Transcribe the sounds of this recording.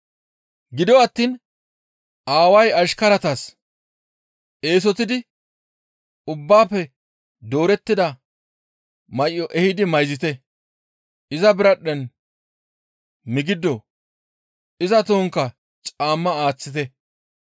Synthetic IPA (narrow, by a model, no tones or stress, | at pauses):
ɡɪd̪ɔɐt̪ːiːn | ʔaːwɐjɐʃkɐɾɐt̪ɐs | ʔe̞ːs̬ɔt̪ɪd̪ɪ | ʊbːaːpːɛ | d̪o̞ːɾɛt̪ːɪd̪ɐ | mɐʔːɔʔɛhɪd̪ɪmɐjzɪt̪ɛ | ɪzɐbɪɾɐɗːɛn | mɪɡɪd̪ɔ | ɪzɐt̪oːŋkːɐ | t͡ʃʼaːmːɐaːt͡sːɪt̪̬ɛ